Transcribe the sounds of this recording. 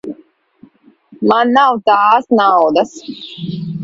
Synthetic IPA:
manːawt̪aːsnawd̪as

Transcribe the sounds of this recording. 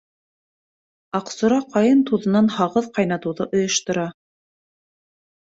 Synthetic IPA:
ɑqsŏɾɑqʰɑjɤnt̪uðɤ̆nɑnhɑʁɤðqɑjnɑt̪ɤ̆wðɤʔŏjɤ̆ʃt̪ŏɾɑ

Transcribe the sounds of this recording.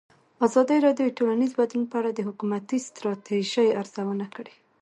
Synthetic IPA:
azɑd̪iɾɑdjojʈolanizbad̪lunpəaɽad̪əɦʊkumat̪ist̪ɾɑt̪eʒajaɾz̥awənakɽe

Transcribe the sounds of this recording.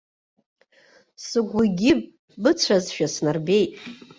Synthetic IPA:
sɨɡʷuɡʲɪb | bɨt͡sʷʰazʃᶣasnarbe̞jtʼ

